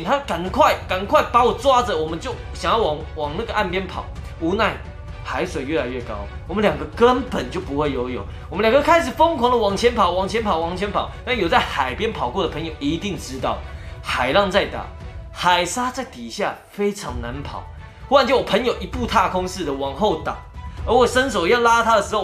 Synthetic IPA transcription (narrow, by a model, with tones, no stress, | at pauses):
ŋt̪ʰa˦˥ka˨˩nkʰwa˥˩ɪka˨˩nkʰwa˥˩ɪpa˧˥wɔ˨˩t͡swa˥d͡zə˨wɔ˨˩mə˦nt͡ɕjo˥˨˩ʊɕjɑ˨˩ŋjɑ˥˩wɑ˨˩ŋwɑ˨˩ŋna˥˩ɡə˩ʔa˥˨npjɛ˥npʰɑ̰˨˩ʊu˧˥na˥˩ɪ | xa˧˦ɪswe˨˩ɪɥɛ˥˩la˧˦ɪɥɛ˥˩kɑ˦˥ʊwɔ˨˩mə˦nljɑ˨˩ŋɡə˦kə˦npə˨˩nt͡ɕjo˥˩ʊpu˧˦xwe˥˩ɪjo˧˥ʊjo˨˩˦ʊwɔ˨mə˦nljŋɡə˧˥˧kʰa˥ɪʂ̬ɻ̩˨˩fo˥ŋkʰwɑ˨˩ŋd̪ə˨wɑ˨˩ŋt͡ɕʰjɛ˧˦˥npʰɑ˨˩ʊwɑ˨˩ŋt͡ɕʰjnpʰɑ˨˩ʊwɑ˨˩ŋt͡ɕʰjɛ˧˥npʰɑ˨˩˦ʊt̪a˥˩n˨jo˨˩t͡sa˥˩ɪxa˨˩ɪpjɛ˦˥npʰɑ˨˩ʊkwɔ˥˩d̪ə˨˩pʰə˧˦njo˨˩ʊʔi˧˦t̪i˥˩ŋʈ͡ʂɻ̩˥t̪ɑ˥˩ʊxa˨˩ɪlɑ˥˧ŋt͡sa˥˩ɪt̪a̰˨˩xa˨˩ɪsa˥t͡sa˥˩ɪt̪i˨˩ɕja̰˥˨ | fe˥ɪʈ͡ʂʰɑ˧˦˥ŋna˧˦npʰɑ̰˨˩˦ʊ | u˥wa˥˧nt͡ɕe˥˩wɔ˨˩pʰə˧˥njo˨˩ʊʔi˧˥pu˥˧t̪ʰa˥˧kʰʊ˥ŋsɹ̩˥˨d̪ə˨˩wɑ˨˩ŋxo˥˨˩ʊt̪ɑ̰˨˩˦ŋə˧˥wɔ˨˩ʂə˦nso˨˩ʊjɑ˥˩ʊla˥t̪ʰa˥d̪ə˨ʂɻ̩˧˥ho˥˨˩ʊ